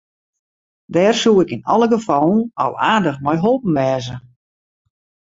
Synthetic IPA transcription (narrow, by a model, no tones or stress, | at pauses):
dɛːrsuːɪkinɔ̰lˠəɡəfɔlˠn̩ɔ̰lˠaːrdəxmɛjɦolˠpən̩ʋɛːzə